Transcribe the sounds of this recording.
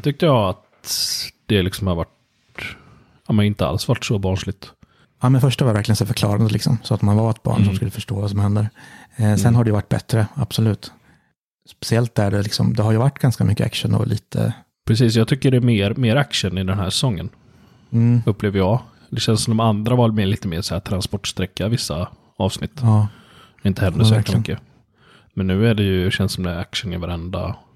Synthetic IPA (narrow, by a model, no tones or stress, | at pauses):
t̪ʏk̚t̪əjɑːat̪ | d̪̥ɛlɪksɔmhaɾvaʈ | aːmənɪnt̪əa̰lsvaʈːsɔbɑːɳʂɭɪɡ̚t̪ | aːmɛnfœʂʈaajvæɾklɪɡənsɛfœɾkʰlɑ̰ːɾand̪əlɪksɔ̰msɔat̪manvaɾɛt̪̚bɑ̰ːɳsɔmskɵlːəfœʂʈoːvas̬ɔmhɛnd̪əɾsɛnɦaɖɛjəvaʈːbɛ̰t̪ɾəab̥sɔlʉ̟ːt̪ | spɛ̥sɪɛlt̪̚d̪æɖɛlɪksɔ̰md̪ɛɦaɾjɵvaʈːɡ̥anskamʏkːəa̰kʂənɔ̰lʔḭːt̪ʰə̰ | pʰɾɛsiːs̬jɑːt̪ʰʏkːəɖɛæmeːɾmeːɾakʂənɪd̪ɛnɦæːʂɛsɔŋːən | ɵpːleːvəjɑːɡ | d̪ɛɕɛnsɔmɔmand̪ɾavɑːld̪mɛliːt̪əmeːʂɔhæːt̪ʰɾanspɔʈːst̪ɾɛkːavɪsːa | ɑːvsnɪt̪ː | ɪnt̪əhɛnd̪əɾɔjɛːklamʏkːə | mɛnːʉ̟ːæɖɛjɵɕɛnsɔmd̪ɛɾakʂənɪvaɾɛnd̪a̰